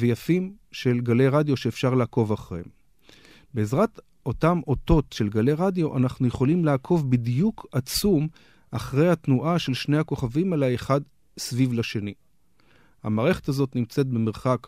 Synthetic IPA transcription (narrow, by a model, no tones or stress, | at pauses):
vejafim | ʃe̞lɡale̞ʁadjo̞ʃe̞ːfʃaʁlaːko̞vaχʁeem | beːzʁat | ʔo̞tamo̞to̞tʃe̞lɡale̞ʁadjo̞ʔanaχnuje̞χo̞limlaaːkʰo̞vbidjukʰat͡sum | aχʁe̞jhatnuʔaʃe̞lʃnejhako̞χavimalaeχad | svivlaʃe̞ni | ha̰maːʁe̞χe̞̥tazo̞tnimt͡se̞t̚bemeʁχak